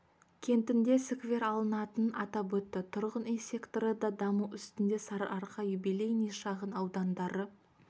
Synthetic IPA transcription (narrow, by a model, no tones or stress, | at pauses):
kʲʰe̞nt̪ɪnd̪e̞sɪkvʲe̞ɾɑlˠənɑt̪ənɑt̪ɑpwɵt̪ːɪt̪ʰʊɾʁəninse̞kt̪oɾəd̪ɑd̪ɑmuʏst̪ɪnd̪e̞sɑɾɑɾqɑjʏbilejnijʃɑʁənɑwd̪ɑnd̪ɑɾə